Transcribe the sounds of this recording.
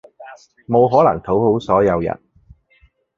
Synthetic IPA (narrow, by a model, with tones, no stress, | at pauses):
mo˨˧wɦɔː˨˥lɐ̰˨˩ŋt̪ʰo˨˥who˨˥wsɔː˨˥jɐ˨˧wjɐ̰˨˩t̚